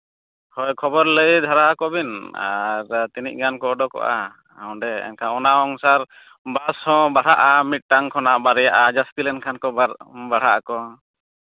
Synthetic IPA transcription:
hɔjkʰɔbɔɾləjd̪ʱaɾakɔbina̰ɾt̪iniʔ̚ɡankɔɔɖɔkɔ̰ʔa̰ | aɔ̃ɖɛɛ̰nkʰaɔnaɔŋsaɾ | bashɔ̃baɽ̤aʔamit̪̚ˀʈaŋkʰɔnaʔbaɾɛjaʔad͡ʒast̪ilɛnkʰankɔbaɾbaɽ̤aʔakɔ

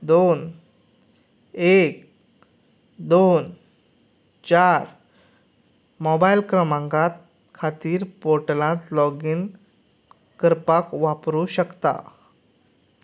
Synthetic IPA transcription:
d̪on | ek | d̪on | t͡ɕaɾ | mɔbajlkɾəmãŋɡat̪̚ | kʰat̪iːɾpoɾʈəlãt̪lɔɡiːn | kəɾpakʋapɾuːɕəkt̪a̰

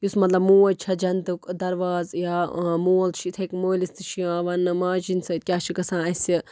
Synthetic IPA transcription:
jusmɐt̪lɐbmũːɐt͡ʃʰɐd͡ʒɐnt̪ukd̪ɐɾʋaːzjaːmuːɐlt͡ʃʰit̪ʰɐkmoːlist̪ɨt͡ʃʰiãːʋɐnɨmãːd͡ʒinʲsɐt̪̚kʲaːt͡ʃʰikɐsãːɐsi

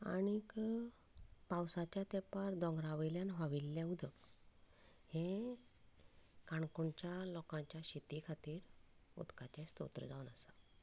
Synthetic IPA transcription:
a̰ñik | pawsat͡ɕjat̪epaɾd̪ɔ̃ŋɡɾaʋəljanʋaʋilːãud̪ʱək | hẽ | kaɳkuɳt͡ɕjalɔkãɲt͡ɕjaɕit̪ikʰat̪iːɾ | ṵd̪kat͡ɕẽst̪o̰t̪ɾə̰d͡zaʋunəsa

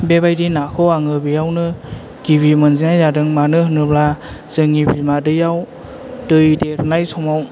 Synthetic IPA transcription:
bebajdinakʰɔwaŋɯbijawnɯ | ɡ̥iβimɯnzinajadɯŋmanɯhɯnɯblaz̥ɯŋibimadɯjaw | tɯjdeɾnajsɔmaw

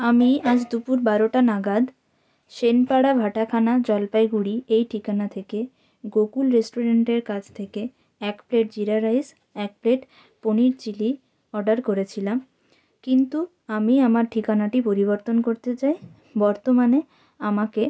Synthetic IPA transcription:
amiad͡ʑd̪upuɾbaɾoʈanaɡad̪ | ʃenpaɽabʱaʈakʰanad͡ʑɔlpajɡuɽiejʈʰikanat̪ʰeke | ɡokulɾesʈoɾeɳʈeɾkat͡ɕʰt̪ʰeke | ɛkpleʈ̚d͡ʑiɾaɾais | ɛk̚pleʈ | poniɾt͡ɕili | ɔɾɖaɾkoɾet͡ɕʰilam | kint̪u | amiamaɾʈʰikanaʈipoɾiβoɾt̪onkoɾt̪et͡ɕae | bɔɾt̪omane | amake

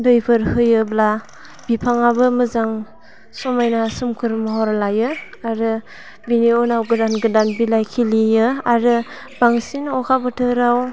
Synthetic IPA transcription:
dɯjpʰɯɾhɯjɯbla | bipʰaŋabɯmɯzaŋ | sɔmajnasɯmkʰɯɾmɔɦɔɾalajɯ | aɾɯ | biniɔnawɡɯdanɡɯdanbilajkʰilijɯaɾɯ | baŋsinɔkʰabɯtʰɯɾaw

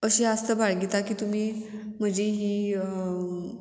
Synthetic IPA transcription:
əɕiast̪əbaɽɡit̪akiːt̪um̤iːm̤əd͡ʑiɦiː

